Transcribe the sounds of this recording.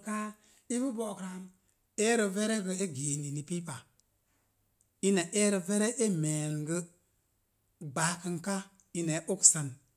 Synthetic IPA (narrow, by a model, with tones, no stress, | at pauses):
ka˦ | i˦bu˦bo˨kɾa˨˦m | e˦ɾə˨ve˦ɾe˦ɡə˨e˦ɡe˨ni˨ni˨pi˦pa˨ | i˦na˨ʔe˦ɾə˨ve˦ɾe˦ʔe˦me˨lɡə˦ | ɡ͡baː˨˦kə˧ŋka˦ | i˦ne˨˦ʔo˦ksa˦n